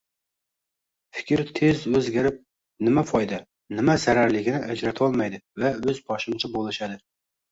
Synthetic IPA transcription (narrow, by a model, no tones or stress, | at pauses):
fɪ̥kʲɪɾt̪ʰezøzɡʲæɾɪp̚ | nɪmɛfɑjd̪ɛ | nɪmɛzæɾæɾlɪkʲɪnɪʔɛd͡ʒɾɛt̪ʰɑlˠmɑjd̪ɨvɛøzbɑʃɨmt͡ʃʰɛbolˠɨʃɛd̪ɨ